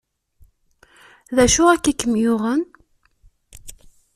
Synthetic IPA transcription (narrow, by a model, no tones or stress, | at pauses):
ðæʃʊækːækːəmjʊʁən